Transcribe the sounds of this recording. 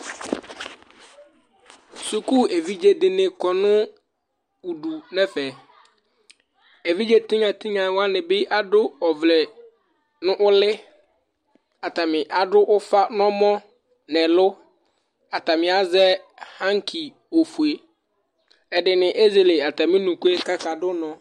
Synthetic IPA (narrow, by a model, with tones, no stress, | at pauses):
su˨ku˦e˨vi˦d͡ʒe˦dɪ˨nɪ̃˨kɔ˨nʊ̃˦ | u˨du˨nɛ̃˦fɛ˨ | e˨vi˦d͡ʒe˦t̪ɪ̃˦ŋa˨tʰɪ̃˦ɲã˨wa˦nɪ̃˨bɪ˦ʔa˦dʊ˦ɔ˨vlɛ˨ | nʊ̃˦ʔʊ˦lɪ˦ | a˨ta˨mɪ̃˨ʔa˨dʊ˦ʔʊ˦fa˦nɔ̃˦mɔ̃˦ | nɛ̃˨lʊ˦ | a˨ta˨mɪ̃˨a˨zɛ˦hã˦ŋ˦kʰi˨ | o˨fu˨e˨ | ɛ˨dɪ˨nɪ̃˨ʔe˦ze˨lɪ˨a˨ta˨mɪ̃˦nũ˨ku˦e˦ka˦ka˨dʊ˦nɔ̃˨